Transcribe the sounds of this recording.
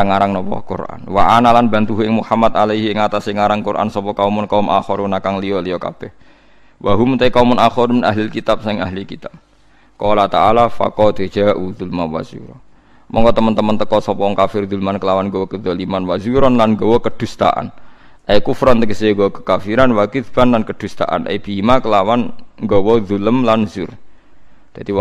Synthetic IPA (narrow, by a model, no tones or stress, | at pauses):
aŋaɾaŋnɔpɔ̰kṵrʔa̰nwaʔanalanbant̪uɦɪŋmuhamat̪alaɦiŋat̪asiŋaɾaŋkurʔa̰nsɔpɔkaumɔnkaumʔa̰xɔɾwunakaŋliɔliɔka̰b̥ɛh | wʔaɦumt̪aikaumʊnaxɔɾmnaɦlɪlkit̪ap̚saɪŋaɦlikit̪ap̚ | kɔɔlaht̪aalafa̰kɔd̪e̥d͡ʒ̥aʔud̪ulmawa̰zṵɾɔn | mɔ̰ŋkɔt̪əmənt̪əmənt̪əkɔsɔpɔɔŋkafɪrðulmankəlawanɡɔwɔkəðɔlimanwazuɾɔnlanŋɡɔwɔkəd̪̥ṳst̪a̰ʔa̰nʔajkufɾɔnt̪əɡəseŋɡɔkə̥kafiɾanwakidb̥anlankəd̪̥ṳst̪a̰ʔa̰nʔḛb̥imakəlawanŋɡɔwɔðuləmlanzur | d̪̥ad̪̥i